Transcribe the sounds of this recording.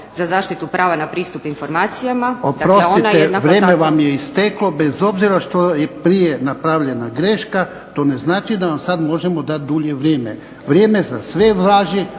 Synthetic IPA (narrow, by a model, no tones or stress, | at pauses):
zazaːʃt̪it̪upɾaːʋanapɾiːst̪upinfoɾmaːt̪sijamaodp̪aɾo̞sineʋɾjeːmeʋamjeist̪eklo̞bezo̞bziɾaʃt̪ojepɾijenapɾaʋʎe̞naɡɾe̞ʃka | t̪o̞ːne̞znaːt͡ʃid̪aʋamsad̪mo̞ʒemod̪at̪̚d̪uʎeʋɾjeːmḛ | ʋɾjeːme̞zasʋeʋɾaːʒi